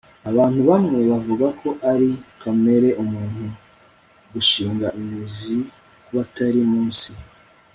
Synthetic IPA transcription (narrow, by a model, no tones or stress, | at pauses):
aβaːn̥huβamŋe̞βavuɡakʰo̞ʔaɾikʰame̞ɾe̞ʔumuːn̥hu | ɡuʃiːŋɡaʔimizi | kuβataɾimuːnsi